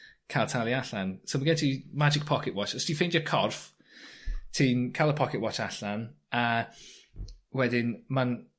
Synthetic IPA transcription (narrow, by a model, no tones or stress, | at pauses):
kʰalˠtʰalˠiaɬansomaɡɛntimad͡ʒɪk̚pʰɔkʰɪtwɔt͡ʃɔstʰifejndɔkʰɔrf | tʰiːnkʰalˠəpʰɔkʰɪtwɔt͡ʃaɬan | a | wɛdɪnman